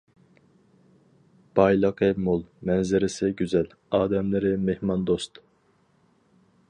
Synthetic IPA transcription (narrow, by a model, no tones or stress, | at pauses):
b̥ɑjlˠɑqʰɛmolˠmɛnzɪɾɪsɪɡʲyzɛl | ɑːd̪ɛmlɪɾɪmehmɑnd̪ost̪